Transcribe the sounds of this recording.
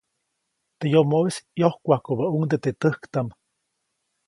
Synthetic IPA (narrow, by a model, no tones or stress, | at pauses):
t̪ejomoisjohkʷahkobauŋd̪et̪et̪əhkt̪am